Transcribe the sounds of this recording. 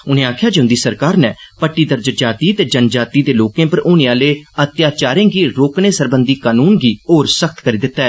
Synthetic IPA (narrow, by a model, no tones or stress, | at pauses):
ʊn̤ẽːaːkʰjaːd͡ʒeʊ̃nd̪iːsəɾkaːɾnɛːpəʈːiːd̪əɾd͡ʒəd͡ʒaːt̪iːt̪eːd͡ʒənd͡ʒaːt̪iːd̪eːloːkẽːpəɾʔoːnẽãːleːət̪jaːt͡ʃaːɾẽːɡiːɾoːkneːsəɾbənd̪iːkaːnuːnɡiːɦoːɾsəkʰt̪kəɾiːd̪ɪt̪ːaːɛː